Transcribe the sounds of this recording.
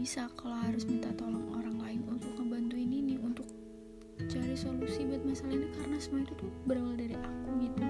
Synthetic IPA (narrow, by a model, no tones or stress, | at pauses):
isakaloɦaɾʊsmint̪at̪olɔŋo̰ɾaŋlaɪnunt̪ʊk̚ŋəbant̪uininiunt̪ʊk̚ | t͡ʃaɾisolusibat̪̚masalaiɲikaɾənasəmuɔit̪ut̪ʊbəɾawaldaɾiʔakuɡit̪u